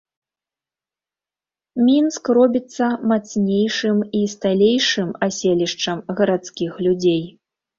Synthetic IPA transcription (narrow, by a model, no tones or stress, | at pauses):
mʲinskrɔbʲit̪sːɐmat̪snʲejʂɨmist̪alʲejʂɨmasʲelʲiʂt͡ʂɐmɣɐɾat̪skʲixlʲud͡zʲej